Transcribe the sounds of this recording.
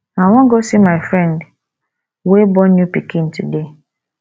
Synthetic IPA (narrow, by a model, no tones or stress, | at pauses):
nawɔ̃ŋɡosimaɪfɾɛ̃nd | webɔnjupikʰĩntʰude